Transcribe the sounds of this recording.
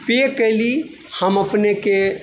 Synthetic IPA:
pekəɪli | həməpneke

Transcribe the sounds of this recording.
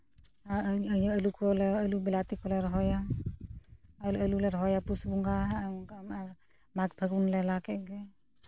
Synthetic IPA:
aəɲɔəlukɔlɛəlubilat̪ikɔlɛɾɔɦɔja | luəlulɛɾɦɔjapusbuŋɡama | mak̚bʰʱəɡunlɛlakɛʔɡɛ

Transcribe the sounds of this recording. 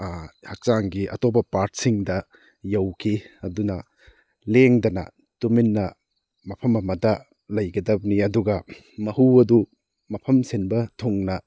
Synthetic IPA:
hɐk̚t͡ʃaŋɡiʔɐ̰topɐpaɾt̚siŋdɐ | jɐwkʰiɐdunɐ | leŋdɐnɐ̰ | tuminːɐ | mɐpʰɐmɐmɐdɐ | lɐjɡɐdɐbniɐduɡɐ | mɐhuɐdu | mɐpʰɐmsenbɐtʰuŋnɐ

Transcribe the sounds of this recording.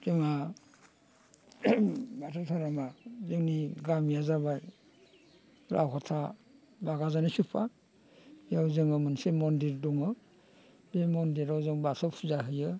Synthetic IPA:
zeŋa | batʰatʰaɾamazɯŋniɡamjazabaj | ɾʔa̰wkʰɔtʰa | baɡazanisupʰa | ijawzɯŋɯmɯnsemɔndiɾdɔŋɯ | bemɔndiɾawzɯŋbasɔp̚pʰuzaɦɯjɯ

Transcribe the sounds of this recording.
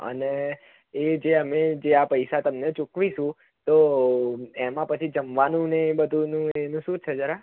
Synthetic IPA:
ə̰neː | d͡ʒeəmed͡ʒeapəjsat̪əmnet͡ʃukʋiʃũ | t̪o | emãpət͡ʃʰid͡ʒəmʋanũnebəd̪ʱunũenũʃũt͡ʃʰed͡ʒəɾa

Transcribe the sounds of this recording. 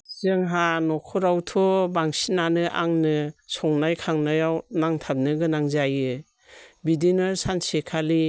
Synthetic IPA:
zɯŋɦanɔkʰɔɾawtʰɔbaŋsinanɯʔa̰ŋnɯsɔŋnajkʰaŋnɯjawnaŋtʰap̚nɯɡɯnaŋzajɯ | bidinɯsansekʰali

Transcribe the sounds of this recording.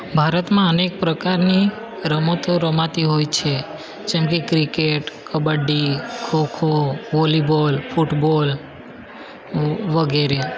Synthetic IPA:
bʱaɾət̪mãənek̚pɾəkaɾni | ɾəmot̪ʰoɾəmãt̪iɦojt͡ʃʰe | d͡ʒɛmkekɾikeʈkəbəɖikʰokʰoʋolibolfʰuʈbol | ʋəɡeɾe

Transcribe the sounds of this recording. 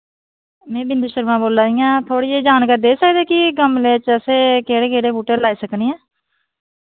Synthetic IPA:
mɛ̃ːbɪnd̪iːʃəɾʋãːboːlaːijãːt̪ʰoːɽiːeːd͡ʒaːnkəɾd̪eːsəkd̪eːkɪɡəmleːt͡ʃəseːkeːɽeːkeːɽeːbuːʈelːaːiːsəkniːãː

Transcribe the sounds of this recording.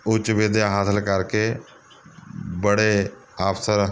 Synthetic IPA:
ʊt͡ʃbeːd̪jaɦaːt̪ʰlkaɾke | bəɽe | aːpʰsəɾ

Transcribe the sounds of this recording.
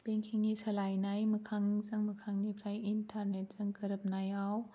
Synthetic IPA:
beŋkʰeŋːisɐlajnajmɯkʰaŋzɯŋmɯkʰaŋnipʰɾajintʰaɾnet̚zɯŋkɯɾɯp̚najaw

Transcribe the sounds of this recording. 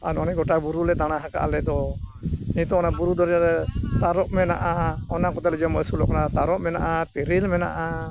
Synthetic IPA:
anɔnɛɡɔʈabuɾulɛt̪aɽ̃aɦaka̰ʔalɛd̪ɔ | iit̪ɔɔnabuɾud̪ɔɾaɾɛt̪aɾɔʔmɛnaʔaɔnakɔt̪ɛlɛd͡ʒɔməsulɔʔkɔnat̪aɾɔʔmɛna̰ʔat̪iɾilmɛna̰ʔa

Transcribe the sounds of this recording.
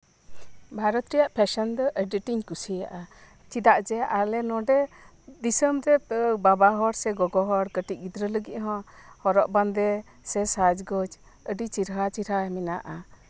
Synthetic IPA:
bʱaɾɔt̪ɾijaʔpʰɛʃɔnd̪ɔʔəɖiʈiɲkusijaʔa | t͡ʃid̪aʔd͡ʒɛʔalɛnɔɖɛ | d̪isəmɾɛbabaɦɔɾsɛɡɔɡɔɦɔɽkəʈiʔ̚ɡid̪ɾələɡiʔ̚ɦɔ̃hɔɾɔʔband̪ɛ | sɛsad͡ʒɡɔd͡ʒ | əɖit͡ʃiɾɦat͡ʃiɾɦamɛnaʔa

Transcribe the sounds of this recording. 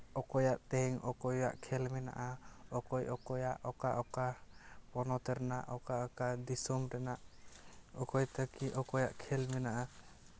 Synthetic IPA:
ɔkɔjaʔt̪ɛhɛŋɔkɔja̰ʔkʰɛlmɛna̰ʔaɔkɔjʔɔkɔjaʔɔkaʔɔkapɔnɔt̪ɛɾɛnaʔɔkaʔɔkad̪isɔmɾɛnaʔ | ɔkɔjt̪akiʔɔkɔjaʔkʰɛlmɛnaʔa

